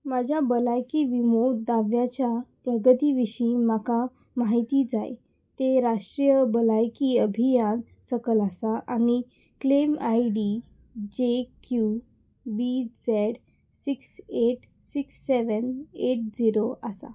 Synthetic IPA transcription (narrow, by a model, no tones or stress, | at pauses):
mad͡ʑʱjabəlajkiʋimod̪aʋjat͡ɕja | ɾəɡət̪iʋiɕiːmaka | maɦit̪id͡za̰j | t̪eɾaʂʈɾijəbəlajkiəbʱijan | səkəlasaʔañi | klemajɖi | d͡ʑekju | bid͡zɛɽ | sikseʈ | siksːeʋəneʈ̚d͡ziɾoasa̰